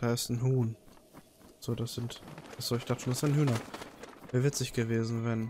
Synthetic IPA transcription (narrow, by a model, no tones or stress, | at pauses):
d̥aːɪstn̩ɦuːn | z̥oːdasz̥ɪntaz̥oːɪçd̥aχtə̥ʃonasɪnhyːnɐvɛːɐvɪt͡sɪçɡ̥əveːzn̩vɛn